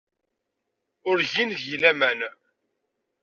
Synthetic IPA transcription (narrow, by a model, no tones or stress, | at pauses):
ʊɾʝinjilæmæn